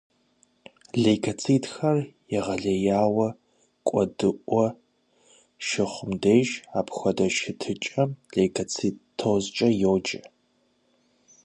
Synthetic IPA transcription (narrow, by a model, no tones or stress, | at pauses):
ɮejkʰɐt͡sʰiːtxɐrjɛʁɐɮɐjaːwɐ | kʷʼɔdɨʔʷɔ | ʃɪχʷʊmdejʒaːpxʷɐdɐʃɪtʰɨt͡ʃʼɐmɮejkʰɐt͡sʰitʰːozt͡ʃʼɐjowd͡ʒɐ